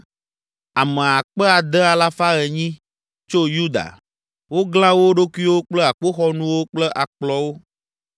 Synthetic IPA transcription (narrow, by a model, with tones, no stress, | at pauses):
a˨mɛ̃˨a˨k͡pɛ˦a˨d̪ɛ˦a˨la˦fa˦ɣɛ˨ɲĩ˦ | t͡ʃo˦ju˦d̪a̰˨ | wo˦ɡl̃ã˦wo˦ɖo˦ku˦i˦wo˦k͡plɛ˦a˨k͡po˦xɔ˦nũ˦wo˦k͡plɛ˦ʔa˨k͡plɔ˦wo˦